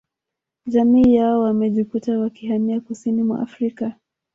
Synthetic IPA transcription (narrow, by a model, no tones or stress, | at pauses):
ʄamiːjaɔwamɛʄikutawakiɦamiakusinimwa̰ʔa̰fɾika